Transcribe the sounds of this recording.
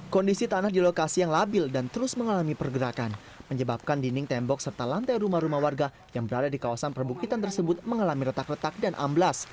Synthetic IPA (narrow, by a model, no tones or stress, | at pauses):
kɔndisit̪anahdilokasijaŋlabɪldant̪əɾʊsməŋalamipərɡəɾakan | məɲəbap̚kandinɪŋt̪ɛmbɔk̚sərt̪alant̪ajɾumahɾumahwarɡa | jaŋbəɾadadikawasanpərbukit̪ant̪ərsəbʊt̪̚məŋalamiɾət̪ak̚rət̪ak̚danʔa̰mblas